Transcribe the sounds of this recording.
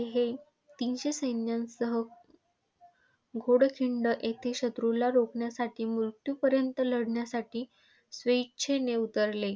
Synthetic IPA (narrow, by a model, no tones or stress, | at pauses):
ɦe | t̪inɕesəjnjãnsəɦə | ɡʱoɽkʰiɳɖəʔet̪ʰeɕət̪ɾulaɾokɳjasaʈʰiːmuɾt̪jupəɾjənt̪ələɽɳjasaʈiː | sʋeit͡ɕʰeneut̪əɾle